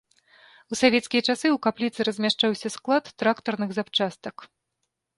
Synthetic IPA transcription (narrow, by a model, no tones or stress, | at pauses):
usavʲɛt̪skʲijɐt͡ʂasɨwkaplʲit̪sɨɾɐzʲmʲaʂt͡ʂawsʲɐsklˠat̪ːɾakt̪ɐrnɨɣzapt͡ʂast̪ɐk